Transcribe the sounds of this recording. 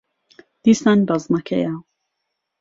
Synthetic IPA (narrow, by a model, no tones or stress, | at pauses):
d̪̥iːsanbɐznɐkʰɐ̰ja